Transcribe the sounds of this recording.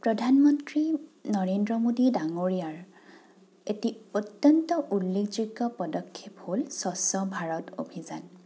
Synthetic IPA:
pɹɔdʱanmɔntɹinɔɹendɹɔmodidaŋoɹijaɹ | etiotjɔntɔʔulːekʰd͡ʒuɡɔpɔdɔkʰːepholsɔsɔbʱaɹɔto̰bʱizan

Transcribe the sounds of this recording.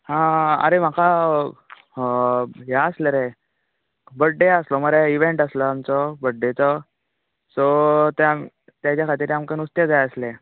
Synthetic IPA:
hãə̰ɾem̤aka | ɦaəsləɾe | bəɖːeəslɔməɾeiʋeɳʈaslɔamt͡sɔbəɖːet͡sɔ | sɔt̪em | t̪jat͡ɕakʰat̪iːɾamkenust̪jad͡zajəsle

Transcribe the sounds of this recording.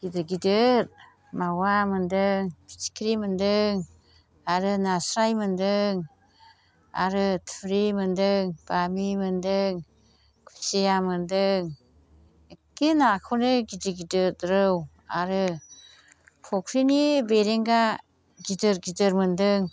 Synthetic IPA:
ɡidɯɡidɯɾ̚ | mawamɯndɯŋpʰi̥t͡ʃi̥kʰɾimɯndɯŋ | aɾɯnasɾajmɯndɯŋ | a̰ɾɯtʰɾimɯndɯŋb̥amimɯndɯŋ | kʰu̥sejamɯndɯŋ | ekinakʰownɯɡidɯɡidɯtɾɯw | aɾɯ | pʰɔkʰɾinibeɾeŋɡa | ɡidɯɾɡidɯɾmɯndɯŋ

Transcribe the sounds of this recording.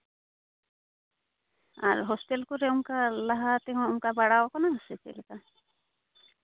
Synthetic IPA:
a̰ɾɦostelkuɾeuŋkalaɦat̪eɦɔ̃uŋkabaɽawɔkɔnaɦaset͡ʃḛlka

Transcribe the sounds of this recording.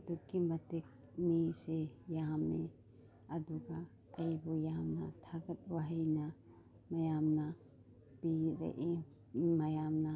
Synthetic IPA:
d̪ukimɐt̪ek̚ | miːsejaːãmẽ | ɐd̪uka | ɐibujaːmna̰t̪ʰɐɡɐt̪̚waɦɐjna | mɐjaːmna | piɾḛʔe | mɐjaːmna

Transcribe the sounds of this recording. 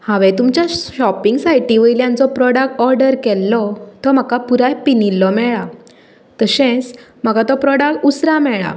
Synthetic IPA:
hãʋɛt̪umt͡ɕjaɕɔpiŋɡsajʈiʋəiljãnt͡sɔpɾɔɽak̚ʈɔɾɖəɾkɛlːɔt̪ɔm̤akapuɾajpinilːɔmɛɭa | t̪əɕɛ̃t͡s | m̤akat̪ɔpɾɔɽakʈusɾamɛɭa̰

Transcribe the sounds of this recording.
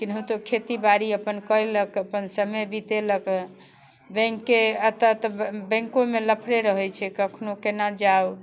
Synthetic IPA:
kinɦə̃t̪okʰet̪ibaɾiəpənkəɾeləkəpənsəməjbit̪elək | bɛ̃ŋkːeət̪ət̪bɛ̃ŋkõmeləpʰɽeɾəɦɛt͡ʃʰɛkəkʰnokenad͡ʒaw

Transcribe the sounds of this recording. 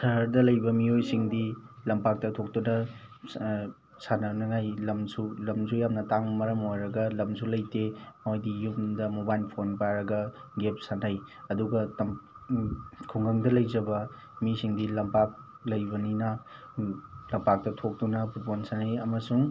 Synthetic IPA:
sɐɦɾdɐlɐjbɐmiojsiŋdilɐmpak̚tɐtʰok̚tunɐ | sanɐnɐŋajlɐmsulɐmsʰujamnɐtaŋmɐɾɐmojɾɐɡɐlɐmsulɐjtemojdijumdɐmobajlpʰonpaɾɐɡɐɡep̚sanajɐduɡɐtɐm | kʰuŋɡɐŋdɐlɐjzɐbɐ | misiŋdilɐmpak̚ | lɐjbɐninɐ | lɐmpak̚tɐtʰok̚tunɐputpʰonsanajɐmɐsuŋ

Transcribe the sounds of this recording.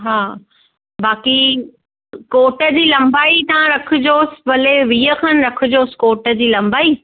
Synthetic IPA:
ɦaː | baːki | koːʈəd͡ʑiːlɐ̃mbaːit̪ãɾɐkʰʊ̆d͡ʑoːsɪ̥̆bɐleʋiːəkʰaːn̆ɾɐkʰʊd͡ʑoːsɪ̥koːʈə̆d͡ʑiːlɐ̃mbaːiː

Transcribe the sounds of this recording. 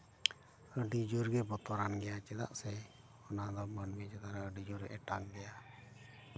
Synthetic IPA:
əɖid͡ʒuɾɡɛbɔt̪ɔɾanɡɛjat͡ʃɛd̪a̰ʔsɛ | ɔnad̪ɔmanɡɛt͡ʃɛd̪aɾaəɖid͡ʒuɾɛʔɛʈaŋɡɛja

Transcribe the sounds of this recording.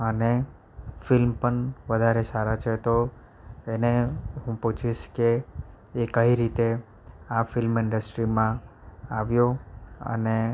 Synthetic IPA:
əne | fɪlmpəɳʋəd̪ʱaɾesaɾat͡ʃʰet̪o | eneɦũput͡ʃʰiʃkeː | kəiɾit̪e | afɪlmɪɳɖəsʈɾimãaʋjoə̰ne

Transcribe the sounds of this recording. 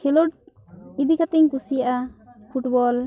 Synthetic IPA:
kʰɛlɔʈ̚ | id̪ikat̪ɛŋpusijaʔapʰuʈbɔl

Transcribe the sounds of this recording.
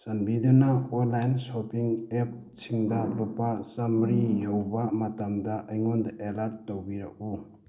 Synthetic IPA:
sanbidunaonlajnsopiŋep̚ | sʰiŋdɐlupːasɐmɾijowbamɐtamdɐʔɐjŋondaʔelaɾt̚ːowbiɾɐk̚u

